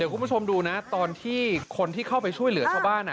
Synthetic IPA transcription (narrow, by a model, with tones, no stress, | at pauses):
di˨˩˦ku˧nʰ˦u˥˩o˧mduː˧na˦˥t̪ɔː˧nt̪ʰiː˥˩kʰo˧nt̪ʰiː˥˩kʰa˥˩wpa˧jt͡ɕʰu˥˩əjlɯ˨˩˦t̪ʰaː˥˩wbaː˥˩nʔa˨˩